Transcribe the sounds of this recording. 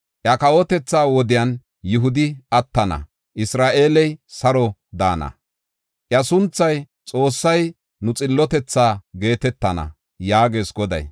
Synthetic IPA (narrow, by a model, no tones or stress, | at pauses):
ʔjɐkɐwɔt̪ɛt͡sːaːwɔd̪ɪjɐn | jʊɦʊd̪ɪɐt̪ːɐnɐ̰ | ʔɪsɾaːʔe̞ːlɛjsɐɾɔd̪a̰ːnɐ̰ | ʔjɐsʊnt͡sːɐj | t͡sʼo̞ːsːɐj | nʊt͡sʼɪlːɔt̪ɛt͡sːaːɡe̞ːt̪ɛt̪ːɐnɐ̰ | jaːɡe̞ːsɡɔd̪ɐ̰j